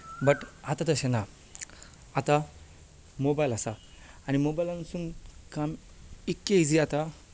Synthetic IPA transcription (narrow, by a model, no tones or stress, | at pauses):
bəʈat̪at̪əɕena | at̪a | mobajlasaː | ñimobajlansuŋkam | ikːeid͡ziat̪a